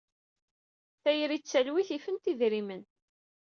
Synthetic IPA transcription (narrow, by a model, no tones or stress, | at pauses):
θæjɾit͡sːælwiθifənt̪iðɾimən